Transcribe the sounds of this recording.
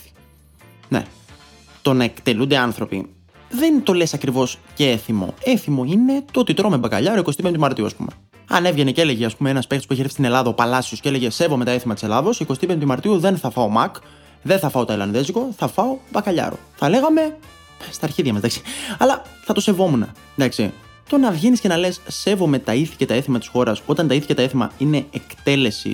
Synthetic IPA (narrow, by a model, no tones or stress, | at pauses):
nḛ | t̪o̞nekt̪e̞lund̪eɐnθɾo̞pḭ | ðe̞nt̪o̞le̞sɐkɾivo̞sceeθimo̞̰e̞θimo̞ine̞t̪ot̪it̪ɾo̞mebɐkɐʎɐɾoikost̪ipeint̪imɐɾt̪iuɐspṵme̞̰ | ɐ̰ne̞vʝe̞neceleʝeɐspumeenɐspe̞kt̪o̥pueçifist̪inelɐðɐopɐlɐsiosceele̞ʝe̞se̞vomet̪ɐeθimɐt̪iselɐðo̞siko̞st̪ipeimɐɾt̪iuðe̞nθɐfɐo̞mɐk | ðenθɐfɐo̞t̪ɐelɐnðe̞zɣoθɐfɐo̞bɐkɐʎɐ̰ɾo̞̰θɐle̞ɣɐme̞ | st̪ɐːɾçiðʝɐmɐzd̪ɐksi̥ɐlɐθɐt̪o̞se̞vo̞munɐ | nd̪ɐksi | t̪o̞nɐvʝinisce̞nɐle̞sːe̞vo̞me̞t̪ɐiθi̥cet̪ɐeθimɐt̪isxo̞ɾɐso̞t̪ɐnt̪ɐiθi̥cet̪ɐeθimɐ̰ine̞ekt̪e̞le̞sḭ